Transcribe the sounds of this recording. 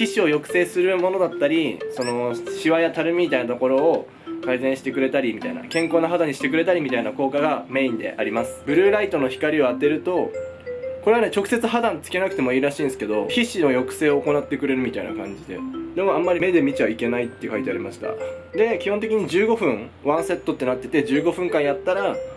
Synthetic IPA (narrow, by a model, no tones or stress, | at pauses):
çiɕio̞jo̞kɯ̟̥se̞ːsɨɾɯ̟mo̞no̞d̪at̪ːaɾʲiso̞no̞ɕiβajat̪aɾɯ̟mʲimʲit̪ainat̪o̞ko̞ɾo̞ː | kaizẽɕi̥t̪e̞kɯ̟ɾe̞t̪aɾʲimʲit̪a̰ina̰kẽ̞ŋko̞ːnaɦad̪aɲ̟ːiɕi̥t̪ekɯ̟ɾe̞t̪aɾʲimʲit̪ainako̞ːkaɡame̞ĩnd̪e̞̰ʔa̰ɾʲimasɨ̥bɯ̟ɾɯ̟ːɾait̪o̞no̞çi̥kaɾʲioat̪e̞ɾɯ̟t̪o̞ | koɾe̞ane̞t͡ɕo̞kɯ̟̥se̞t͡sɨɦad̪ãnt͡sɨ̥ke̞nakɯ̟t̪e̞moiːɾaɕĩːnesɨ̥ke̞d̪o̞çiɕino̞jo̞kɯ̟̥se̞ːo̞ːko̞nat̪ːe̞kɯ̟ɾe̞ɾɯ̟mʲit̪aina̰kã̰ɲ̟d͡ʑid̪e̞̰d̪e̞mo̞ãmːaɾime̞d̪e̞mʲit͡ɕiβaike̞nait̪ːeiɯ̟kait̪eaɾʲimaɕi̥t̪a̰d̪e̞kʲihõnt̪ekʲiɲ̟id͡ʑɨːɡo̞ɸɯ̟̃ɴβãɰ̃se̞t̪ːo̞t̪ːe̞nat̪ːe̞t̪e̞d͡ʑɨːɡo̞ɸɯ̟̃ŋkãɰ̃jat̪ːaɾa